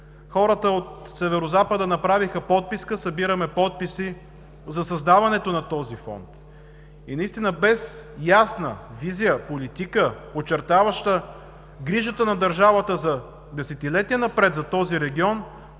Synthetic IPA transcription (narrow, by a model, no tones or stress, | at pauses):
xɔɾət̪əot̪sɛvɛɾozapəd̪ənɐpɾavixəpɔt̪̚piskəsɐbiɾɐmɛpɔt̪̚pisi | zɐsɐzd̪avɐnɛt̪onɐt̪ɔzifɔ̰nt̪ | inɐist̪inəbɛsjasnə̰vizijəpolit̪ikəpot͡ʃɛɾt̪avɐʃt̪ə | ɡɾiʒət̪ənɐd̪ɐɾʒavət̪əzɐ | d̪ɛsɛt̪ilɛt̪ijənɐpɾɛt̪zɐt̪ɔziɾɛɡʲiɔn